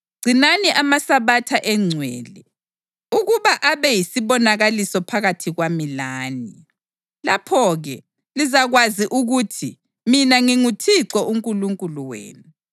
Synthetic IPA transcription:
ɡ͡ǀʱinaniʔamasaβatʰaʔɛŋ͡ǀʱwɛːlɛ | uɣuβaʔaβɛjisiβɔnaɣalisɔpʰaɣatʰiɣwamilaːni | lapʰɔɣɛ | lizaɣwaziʔuɣutʰi | minaŋiŋutʰiǀɔʔuŋkʼuluŋkʼuluwḛːnu

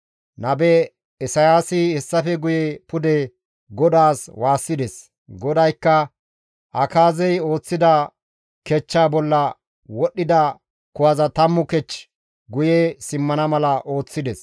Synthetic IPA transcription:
nɐbɛ | ɛsɐjaːsɪhɛsːɐfɛɡʊjɛpʊd̪ɛ | ɡɔd̪aːswaːsːɪd̪ɛs | ɡɔd̪ɐjkːɐ | ʔɐkaːzɛjo̞ːt͡sːɪd̪ɐ | kɛt͡ʃːaːbɔlːɐ | wɔɗːɪd̪ɐ | kʊwɐzɐt̪ɐmːʊkɛt͡ʃː | ɡʊjɛsɪmːɐnɐmɐlɐʔo̞ːt͡sːɪd̪ɛs

